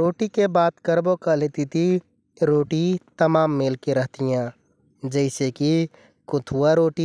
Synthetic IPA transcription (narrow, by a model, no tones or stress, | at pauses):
ɾoːʈikebaːt̪kəɾbokɐleːt̪it̪ʰi | ɾoːʈit̪ɐmaːmːeːlkeɾəɦt̪ijãː | d͡ʒəɪseki | kʊt̪ʰuaɾoːʈi